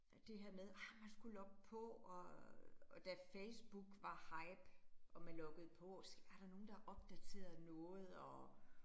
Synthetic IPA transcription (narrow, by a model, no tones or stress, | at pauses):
d̥e̝ɦeɐ̰með̞ˠæmænsɡ̥ulɒ̽ɡ̥̚əpʰɔ̽ɒ | d̥æfeɪsb̥uɡ̥ʋɑ̈hɑ̈ɪb̥ʔɒ̽mænlɔ̽ɡ̥ð̞̩ˠpʰɒ̽sæɐɾ̥ɑ̈no̝ːn̩d̥ɑ̈ʔɒ̽b̥d̥æt͡sʰe̝̰ːɐð̩ˠnɔ̽ːð̞̩ˠɒ̽